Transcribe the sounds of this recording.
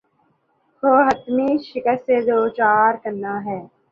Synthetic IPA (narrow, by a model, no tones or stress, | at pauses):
hoːɦət̪miːʃɪkəstːeːd͡ʒoːt͡ʃaːɾkəɾnːaːɦɛː